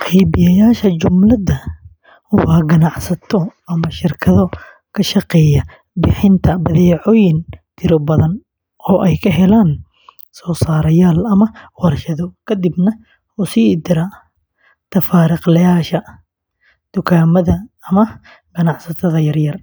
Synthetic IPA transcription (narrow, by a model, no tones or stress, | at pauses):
qʰɛjbɪjɐjaːʃɐt͡ʃʊmlɐdɐ | wɑːɡɐnɑʕsɐt̪ʰɔɐmɐʃɪrkʰɐðɔ | kʰɐʃɑqɛːjɐ | bɪħɪnt̪ʰɐbɐðɛːʕɔːjɪnt̪ʰɪɾɔbɐðɐn | ʔɔːʔɛjkʰɐɦɛlaːn | sɔːsaːɾɐjaːlɐmɐwɑrʃɐðɔkʰɐd̪ibnɐ | ʊsiːd̪ɪɾa | t̪ʰɐfaːɾɪqlɐjaːʃɐ | d̪̥ʊkʰaːmɐðɐːmɐ | ɡ̥ɐnɑʕsɐt̪ʰɐðɐjɐrjɐr